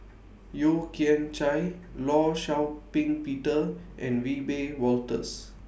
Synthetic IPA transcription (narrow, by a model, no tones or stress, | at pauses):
jokiɛ̃nt͡ʃajlɔʃawpĩŋpitəʔɛ̰̃nwibewɔltə̰s